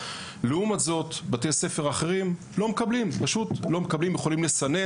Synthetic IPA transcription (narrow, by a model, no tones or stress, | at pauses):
leumazo̞t̪bat̪ejse̞fe̞ʁaχe̞ʁim | lo̞mekablimpaʃutlo̞mekablimje̞χo̞limlesane̞